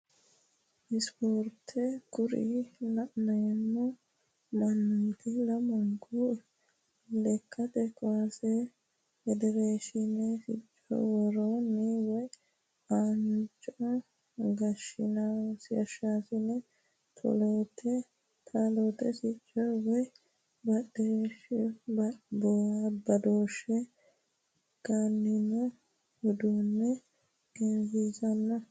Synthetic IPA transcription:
ɪspoːɾt̪ʰɛkʊɾḭlɐʔnɐjɛmːɔ | mɐnt̪ɪlɐmɐŋku | lɛkʰːɐt̪ɛkʼɔwɐse | ɛd̪ɛɾeːʃɪnɛfɪt͡ʃʼːɔ̰wɔɾonːiwɔj | aːnt͡ʃʼɔ | ɡɐʃɪnasɪɐʃasɪnɛ | t̪ʰɔ̰loːt̪ʰe | t̪ʰaloːt̪ɛsɪt͡ʃʼːɔwɔj | bɐɗeʃ | bɔbɐd̪oːʃe | ɡ̥anːɪnɛ | hɔd̪uːnːɛ | ɡɪnzisɐnːɐ

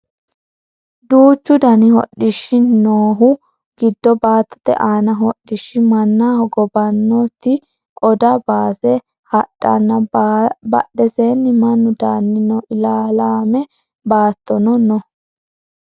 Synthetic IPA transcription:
d̪uːt͡ʃːʊd̪ɐnɪɦɔ̰ɗɪʃɪnoːɦʊ | ɡ̥ɪd̪ːɔbaːt̪ːɔ̥t̪ɛ̰ʔaːnɐɦɔɗːɪʃɪmɐnːahɔɡɔbɐnːɔt̪ːɪ | ɔd̪ɐbaːsɛ | hɐɗːɐ̰nːɐbɐ̰ɗːɛsenːɪmɐnːʊd̪aːnːɪnɔʔɪlaːlaːmɛ | baːt̪ːɔnɔnɔ

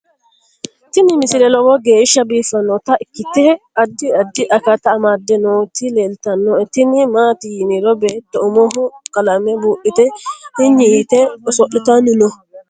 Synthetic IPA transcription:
t̪ɪnɪmɪsɪlɛlɔwɔɡeːʃːɐbiːfɐnːɔt̪ɐʔɪkːɪt̪ːɛɐd̪ːɪɐd̪ːɪʔɐkɐt̪ɐmaːd̪ːɛnɔt̪ɪleːlt̪ɐnːɔɪt̪ɪnɪmaːt̪ijnɪɾɔbeːt̪ːɔʊmɔɦɔkɐlamɛbuːʔɪt̪ɛhɪɲɪit̪ɛɔsɔʔɪt̪ɐnɪnɔ

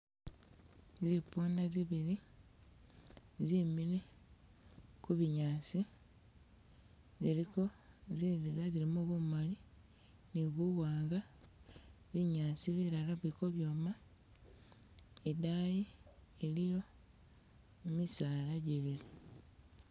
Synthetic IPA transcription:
zipuːndaziβili | zimile | kuβiɲaːt͡si | ziliko̞ziziɡazilimoβumali | niβuwaːŋɡa | βiɲaːt͡siβiɾalaβwiko̞βjo̞ːma | edajielijo̞ | memisaːlaɟeβili

